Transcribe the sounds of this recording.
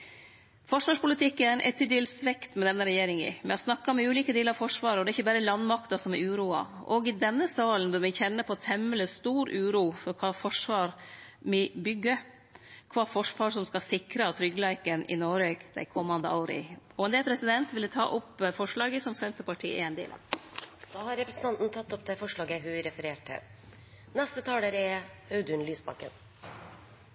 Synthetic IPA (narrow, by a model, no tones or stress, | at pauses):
fɔʂʋɑːʂpʊlɪt̪ʰɪkːəæɾnʔɛ̰t̪ʰːɪd̪yːlsʋɛkt̪mɛd̪ɛnːəɾɛjeːɾɪŋɪ̰mɛ̰ɑsnɑkːɑmɛʉːliːkəd̪iːləɾɑfɔʂʋɑːɾɔd̪ɛɾɪçːəbæːɾəlɑnːmɑkt̪ɑsɔmɛ̰ɾʉːɾuːɑ̰ʔɔɡɪd̪ɛnːəsɑːlənʋɪlmɛnçɛnːəpʰɔt̪ʰɛmːələst̪uːɾʉːɾuːfɔɾkʰɑːfɔʂʋɑːɾmɛbʏɡːə | kʰʋɑːfɔʂʋɑːʂɔmskɑsɪkɾət̪ʰɾʏɡlæɪkənʔɪ̰noːɾeːɡd̪æ̰ɪkʰɔmːɑnd̪əɑʊɾɪ̰ɔɛnd̪eːlpʰɾɛsɪd̪ɛnt̪ʋɪlːət̪ʰɑ̰ːʔʊpːfɔʂɭɑːɡəsɔmsɛnt̪əɾpɑʈʰḭːʔɪ̰ɛnd̪ḛːlʔə̰d̪ɑːhɑɾɛpɾɛsn̩t̪ɑnt̪n̩t̪ʰɑt̪ːɔp̚d̪ɛfɔʂɭɑːɡəɦʉɾɛfəɾeːʈʰɪ̰ | nɛst̪ət̪ʰɑːləɾɛɑʉd̪ʉnlyːsbɑ̰kə̰n